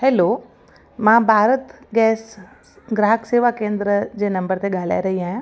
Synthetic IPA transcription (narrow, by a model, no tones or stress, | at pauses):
ɦɛːlo | mãːbʱaːɾət̪ɡɛːs | ɡɾaːɦəkseːʋakẽːnd̪ɾəd͡ʑeːnɐ̃mbəɾt̪eɠaːl̤a̰ːeɾɐɦiaːɦj̃